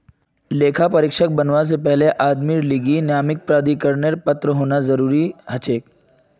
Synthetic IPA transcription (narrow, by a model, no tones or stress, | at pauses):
leːkʰapɐɾɪkʃək̚bɐnʋas̬epɛɦleʔaːd̪miɾliɡinjaːmɪk̚pɾaːd̪ikəɾneɾpɐt̪ɾəɦoːnazɐɾuːɾihɐt͡ʃeːk̚